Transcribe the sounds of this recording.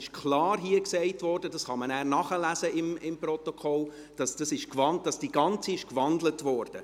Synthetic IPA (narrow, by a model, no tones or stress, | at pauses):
ɪʃkʰlɑːɾɦiəksɛɪtvɔɾdədɑsχɑmənæːɾnɑχəlæsəɪmɪmprɔt̪ɔkʰχɔl | d̥ɑsd̥ɑsɪʃkvɑnd̥ɑsd̥iɡ̥ɑnt͡siɪʃkvɑndlətvɔːɾd̥ə